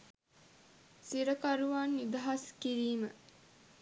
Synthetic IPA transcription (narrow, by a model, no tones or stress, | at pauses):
siɾəkaɾuʋaːnːid̪ɐɦaskiɾiːmə